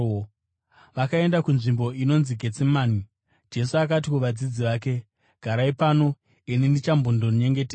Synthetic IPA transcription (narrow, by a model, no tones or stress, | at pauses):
ʋakae̞ndakunʐimbo̞ino̞nziɡʱe̞t͡simaːni | d͡ʒe̞suakatikuʋad͡zid͡ziʋaːk̬e̞ | ɡ̥ʱaɾaipano̞ | enindit͡ʃambʱondonɲe̞ŋɡeteː